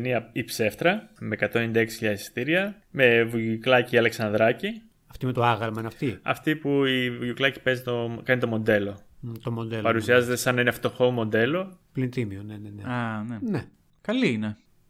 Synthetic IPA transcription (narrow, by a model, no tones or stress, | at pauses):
eniɐipse̞ft̪ɾɐme̞ːkɐt̪o̞nend̪ɐeksi̥çiʎɐisi̥st̪iɾiɐ | me̞vuʝuklɐciːɐle̞ksɐnd̪ɾɐci | ɐft̪imet̪oaɣɐlmɐinɐft̪iɐ̰ft̪ipuiuʝuklɐci̥pe̞zit̪o̞kɐnit̪o̞mo̞nd̪e̞lo̞t̪omond̪elpɐɾusiɐze̞t̪e̞sɐnːɐineft̪oxo̞mo̞nd̪e̞lo̞plint̪imioneneneɐnene | kɐliine